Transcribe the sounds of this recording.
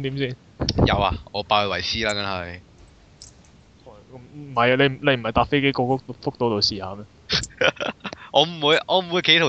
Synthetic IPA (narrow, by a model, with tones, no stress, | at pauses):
t̪i˨˥msiː˥˩n | jɐ̰˨˧wa˧ɔ̰ː˨˧paː˧ə˧wɐ˨˩jsiː˥laː˥kɐ˨˥nɦɐ˨j | hɐ˨˧jkɐ˨˦˥mm̩˨˩hɐ˨jɐ˧le˨˧m̩˨˩le˨˧m̩˨˩hɐ˨jt̪aː˧p̚fe˥jke˥jkɔː˧k̚t̪fʊ˥k̚t̪o˨˥wt̪o˨˧siː˨˩haː˨˧˦mɛ˥ | ʔɔː˨˧m̩˨˩wuː˨˧jʔɔː˨˧m̩˨˩wu˨˧jke˨˥t̪ʰ